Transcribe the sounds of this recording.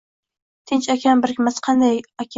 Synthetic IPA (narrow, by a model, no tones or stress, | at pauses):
t̪ʰɪnt͡ʃakʲʰanbɪɾkʲʰɪmasqʰɑnd̪ajakʲʰ